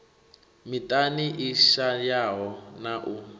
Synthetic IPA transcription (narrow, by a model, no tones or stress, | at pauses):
mitʼaniʔiʃajaɦɔnaʔu